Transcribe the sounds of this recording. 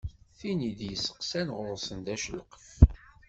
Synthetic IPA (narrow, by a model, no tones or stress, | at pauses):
θinid̪jəsːə̥qsænʁʊɾˤsənd̪æʃələqə̥f